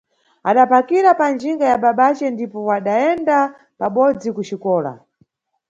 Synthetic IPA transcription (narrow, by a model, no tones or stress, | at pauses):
aɗapakiɾapand͡ʒiŋɡajaɓaɓat͡ʃɛndipɔwaɗaɛnda | paɓɔd͡zikut͡ʃikɔːla̰